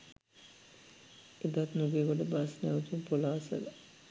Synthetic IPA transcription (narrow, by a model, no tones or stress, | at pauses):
ed̪at̪nuɡeːkoʈəbasnɛut̪upolaːsə̰la